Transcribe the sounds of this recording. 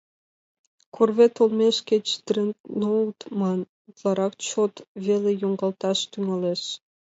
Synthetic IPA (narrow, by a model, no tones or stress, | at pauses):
kʰorβet̪olmeʃket͡ɕd̪̥rennot̪mɑn | ut̪lˠɑɾɑk̚t͡ɕot̪βelejoŋɡɑlt̪ɑʃt̪yŋɑleʃ